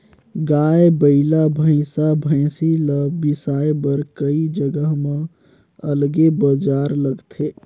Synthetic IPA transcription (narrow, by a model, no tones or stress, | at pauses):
ɡaːebəɪlabʱə̃ɪsabʱə̃ɪsiləːɪsaːebəɾkəid͡ʒəɡəɦmẽ | əlɡebəd͡ʒaːɾləɡt̪ʰeː